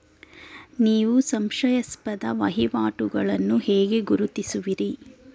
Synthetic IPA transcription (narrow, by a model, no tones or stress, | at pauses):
niːʋusɐmʂɐjɐspɐd̪ɐʋɐɦiʋaːʈuɡɐɭɐnːuheːɡe̞ɡuɾut̪isuʋiɾi